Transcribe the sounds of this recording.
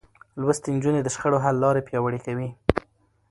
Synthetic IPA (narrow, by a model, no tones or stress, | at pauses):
lwəst̪end͡ʒuned̪əʃxəɽoɦalːɑɾepjɑwəɽikawi